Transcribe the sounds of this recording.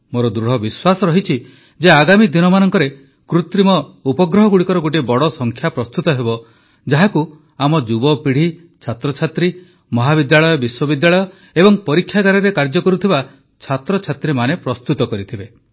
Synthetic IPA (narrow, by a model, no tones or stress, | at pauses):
moɾɔd̪ɾuɽ̤ɔbiswasɔɾɔɦit͡ʃʰi | d͡ʒeaɡamid̪inɔmanɔŋkɔɾe | kɾut̪ɾimɔupɔɡɾɔɦɔɡuɽikɔɾɔɡoʈ̬ibɔɽɔsɔŋkʰjapɾɔst̪ut̪ɔɦebɔ | d͡ʒaɦaku | amɔd͡ʒubɔpiɽ̤i | t͡ʃʰat̪ɾɔt͡ʃʰat̪ɾi | mɔɦabid̪jaɭɔjɔbiswɔbid̪jaɭɔjɔ | ebɔŋpɔɾikʰːjaɡaɾɔɾekaɾd͡ʒɔkɔɾut̪ʰiba | t͡ʃʰat̪ɾɔt͡ʃʰat̪ɾimanepɾɔst̪ut̪ɔkɔɾit̪ʰibe